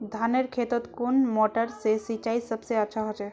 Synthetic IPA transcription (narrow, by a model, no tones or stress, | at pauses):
d̪ʱaneɾkʰet̪ɔt̪konmɔʈəɾsesit͡ʃaisəbseəːt͡ʃʰaɦot͡ʃɛ